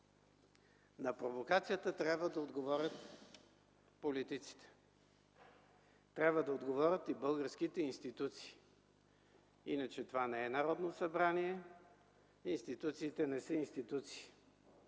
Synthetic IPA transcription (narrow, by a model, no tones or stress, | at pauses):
nɐpɾovokat̪sijət̪ət̪ɾʲabvəd̪ɐod̪ɡovɔɾʲət̪ | polit̪it̪si̥t̪ɛ̥ | t̪ɾʲabvəd̪ɐod̪ɡovɔɾʲət̪ibɤlˠɡəɾsk̟it̪ɛinst̪it̪ut̪si̥ː | inət͡ʃɛt̪ovanɛɛnɐɾɔd̪nosɐbɾaniɛ | inst̪it̪ut̪siːt̪ɛnɛsəinst̪it̪ut̪si̥ː